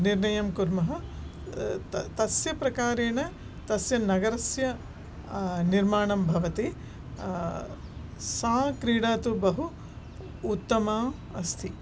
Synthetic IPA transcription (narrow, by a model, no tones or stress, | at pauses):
niɾɳɐjɐmkuɾmɐɦɐ̆ | t̪ɐsjɐpɾɐkaːɾeːɳɐ | t̪ɐsjɐnɐɡɐɾɐsjɐ | niɾmaːɳɐmbʱɐʋɐt̪i | saːkɾiːɽaːt̪ubɐɦuː | t̪ːɐmaː | ɐst̪ʰi